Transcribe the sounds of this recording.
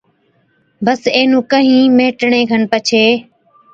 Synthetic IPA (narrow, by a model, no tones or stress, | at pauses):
bəseːnũːkəɦĩːmeːʈɳeːɡʱənpət͡ʃʰeː